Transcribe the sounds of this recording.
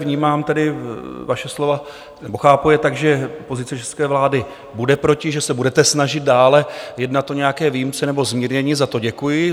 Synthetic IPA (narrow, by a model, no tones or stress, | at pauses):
vɲiːmaːmt̪ɛdɪvaʃɛslo̞va | nɛboxaːpujɛt̪aɡʒɛpo̞zɪt͡sɛt͡ʃɛskɛːvlaːdɪ | budɛpɾo̞cɪʒɛsɛbudɛt̪ɛsnaʒɪdt̪̚daːlɛjɛdnat̪ʔoɲɛjakɛːviːjimt͡sɛnɛbo̞zmiːɾɲɛɲiːzat̪o̞ɟɛkujɪ